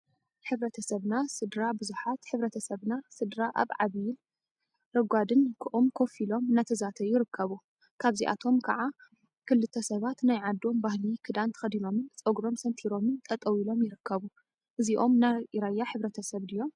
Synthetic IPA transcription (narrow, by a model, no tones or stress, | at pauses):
ħɨβɾɐt̪ʰɐsɐβnasɨd̪ɾabɨzuħat̪ħɨβɾɐt̪ʰɐsɐβnasɨd̪ɾaʔa̰βʕa̰βijl | ɾɐɡʷad̪ɨnkʰɨʔumkʰo̞filo̞mnat̪ʰɐzat̪ʰɐjɪɾɨkːɐβu | kʰaβziʔa̰t̪ʰo̞mkʰɐʕa | kʰɨlːɨt̪ʰːɐsɐβat̪najʕad̪ːo̞mbahlikʰɨd̪ant̪ʰxɐd̪ilo̞mɨnt͡sʼɐɡɾo̞msɐnt̪ʰiɾo̞mɨnt̪ʼɐt̪ʼɐwilo̞mjɪɾɨkːɐβu | ʔɨziʔo̞mnaɾajːaħɨβɾɐt̪ʰɐsɐβd̪ɨjo̞m